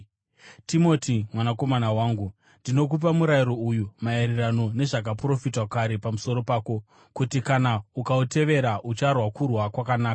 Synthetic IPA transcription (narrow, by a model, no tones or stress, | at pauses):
timo̞timwanako̞manawaːŋɡu | ndino̞k̬up̬amuɾajiɾo̞ujumaerirano̞ne̞ʐak̬apro̞fitwakaɾe̞pamuso̞ɾo̞paːko̞ | kutikanaukaute̞ʋe̞ɾaʔut͡ʃarwakurwakwakanaːka